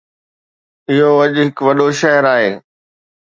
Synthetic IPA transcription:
ɪɦoɐʄɦɪkʋɐɗoʃɐɦəɾaːɦeː

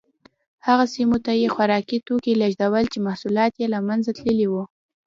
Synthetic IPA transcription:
haɣasimot̪ajexwaɾɑkit̪okilaʒd̪awəlt͡ʃemahsulɑt̪jelamanzat̪ləliwu

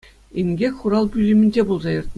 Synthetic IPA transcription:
inʲɡʲekʲχuɾɑlˠbʲylʲimʲĭnʲd͡ʑʲebulˠzɑjɤ̆rt̪̚m

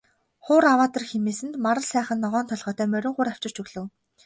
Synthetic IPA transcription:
χʊːɾawaːt̪ə̆rxemiːsɘ̆nt̪maɾə̆ɮsæːχə̆nːɔʁɔːnt̪ʰɔɮʁ̥œːt̪œːmœɾʲɪ̆ŋχʊːɾaw̥t͡ɕɪ̆r̥t͡ɕɵɣɮɵ̆w

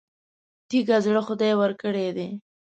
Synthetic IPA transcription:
t̪iɡazɽəxʊd̪ajwəɾkəɽed̪e

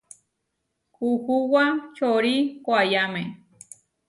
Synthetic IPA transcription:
kuhuwat͡ʃoɾikʷajamẽ

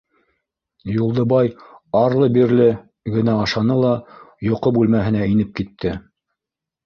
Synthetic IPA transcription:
julˠd̪ɤbɑjɑɾlˠɤbiɾlɘ | ɡɘ̆næɑʃɑnɤlˠɑjŏqɤbʉlmæɦɘ̆næinɘp̚kit̪ʰːɘ

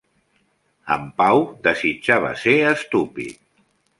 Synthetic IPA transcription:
ə̰mpawd̪əzid͡ʒaβ̞ə̰seəst̪upḭt̪

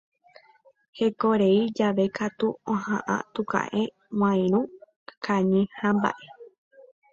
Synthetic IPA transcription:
he̞koɾeid͡ʒaʋe̞kat̪uõhã̰ʔã̰t̪ũkã̰ʔẽ | w̃ãj̃ɾ̃ũ | kaɲĩhãmba̰ʔe

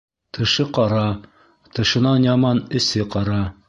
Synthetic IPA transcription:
t̪ʰɤ̆ʃɤqɑɾɑ | t̪ɤ̆ʃɤ̆nɑnjɑmɑnɘ̆sɘqɑɾɑ

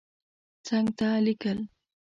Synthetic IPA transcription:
t͡saŋt̪alɪkal

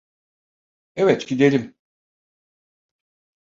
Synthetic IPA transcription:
ɛvɛt̪ɟid̪e̞lʲim

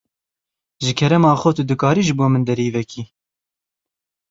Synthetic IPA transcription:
ʒɨkʰɛɾɛmɑːxot̪ud̪ɨkɑːɾiːʒɨboːmɨnd̪ɛɾiːvɛkiː

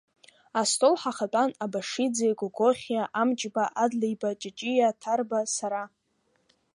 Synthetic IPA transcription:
astʰolħaχatʼanabaʂid͡zejɡʷʼʊɡʷoχʲjaʔamt͡ʃʼbaʔadlejbat͡ʃʼɪt͡ʃʼijatʰarbasaɾa

